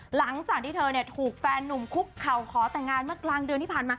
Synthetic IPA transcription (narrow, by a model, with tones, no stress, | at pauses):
la˩˦ŋt͡ɕaː˨˩k̪̚ʰiː˥˩t̪ʰɤː˧ni˥˩ət̪ʰuː˨˩k̚fɛː˧nːu˨˩mkʰu˦˥p̚kʰːa˨˩wkʰɔː˩˦t̪ɛː˨˩ŋːaː˧nmɯ˥˩əklaː˧ŋdɯ˧ənt̪ʰiː˥˩paː˨˩nmaː˧